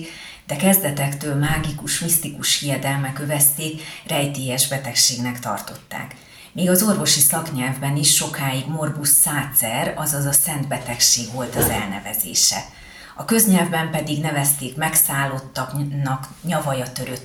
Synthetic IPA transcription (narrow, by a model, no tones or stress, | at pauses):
d̪̥ɛkɛzd̪ɛt̪ɛkt̪øːlmaːɡikuʃmist̪ikuʃhijɛd̪ɛlmɛkøvɛst̪eːkrɛjt̪iːɛʒbɛt̪ɛkʃeːɡnɛkt̪ɒ̰rt̪o̞t̪ːa̰ːk | miːɡɒzo̞rvo̞ʃisɒkɲɛlvbɛniʃːo̞kaːjiɡmo̞rbusːaːt̪sɛɾɒzɒzɒsɛnd̪bɛt̪ɛkʃeːɡvo̞lt̪ɒzɛ̰lnɛ̰vɛ̰zḛːʃɛ̰ | ɒkøzɲɛlvbɛmpɛd̪iɡnɛvɛst̪eːkmɛksaːlːo̞t̪ːɒknːɒkɲɒvɒjɒt̪ø̞ɾøt̪